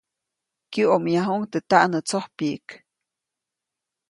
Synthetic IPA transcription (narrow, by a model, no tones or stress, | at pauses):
kjɨomjaɦuŋt̪ɨt̪aʔnɨt͡sohpiʔik